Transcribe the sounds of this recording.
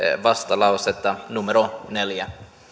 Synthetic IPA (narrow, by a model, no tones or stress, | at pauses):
ʋɑst̪ɑlɑwset̪ːɑnumeɾoneljæ